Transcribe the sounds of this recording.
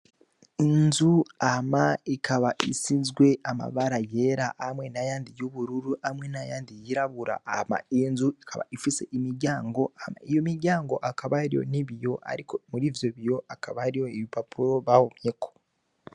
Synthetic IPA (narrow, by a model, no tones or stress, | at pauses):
inzuamaikʰaβaḭsizɡwe̞ama̰βaɾaje̞ɾahamwe̞najaːndijuβuɾuɾuamŋe̞najaːndijiɾaβuɾa̰ama̰inzuikʰaβa̰ifise̞ʔimiɾɟaːŋɡo̞ama̰ijo̞miɾɟaːŋɡo̞ʔakaβahaɾijo̰niβjo̞a̰ɾikomuɾiːvjoβijo̞ʔakaβahaɾijo̞iβipapuɾo̞βahomjekʰo̞̥